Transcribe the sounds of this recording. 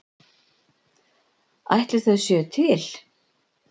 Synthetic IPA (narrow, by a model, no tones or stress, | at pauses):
a̰jht̪lɪɾ̥θɛðsjœːt̪ʰɪl